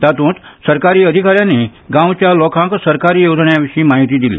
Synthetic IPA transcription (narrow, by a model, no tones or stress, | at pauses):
t̪at̪ũt̪səɾkaɾiːəd̪ʱikaɾjãnːiːɡãwt͡ɕjalɔkʰãŋksəɾkaɾiːjod͡zɳjaʋiɕiːmaɦit̪iːd̪ilḭː